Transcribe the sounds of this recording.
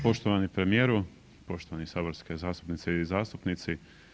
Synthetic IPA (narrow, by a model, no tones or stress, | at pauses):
po̞ʃt̪oʋanipɾe̞mije̞ːɾu | po̞ʃt̪oanisaːboɾske̞zaːst̪u̥pnit̪seizaːst̪upnit̪si